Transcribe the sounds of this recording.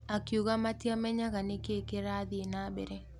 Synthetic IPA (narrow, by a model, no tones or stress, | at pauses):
akjuɣamatjamɛɲaɣanekekeɾaðɪenabeɾɛ